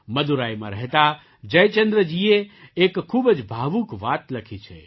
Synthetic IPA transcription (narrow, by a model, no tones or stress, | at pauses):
məd̪uɾajmḛɾəɦɛt̪a | d͡ʒəjt͡ʃə̃nd̪ɾəd͡ʒijeekʰːubəd͡ʒbʱaʋukʋat̪ləkʰit͡ʃʰɛ̰